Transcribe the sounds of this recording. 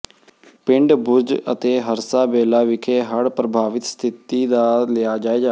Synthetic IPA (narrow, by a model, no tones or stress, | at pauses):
pɪ̃ɳɖbʊɾd͡ʒə̰t̪eːɦəɾsaːbeːlaːʋɪkʰeːɦəɽpɾəbʱaːʋɪt̪st̪ʰɪt̪iːd̪aːlɪjaːd͡ʒaːeːd͡ʒaː